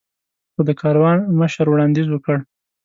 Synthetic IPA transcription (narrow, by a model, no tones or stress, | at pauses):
xod̪əkʰɑɾwɑnməʃəɾwɽɑnd̪izwəkəɽ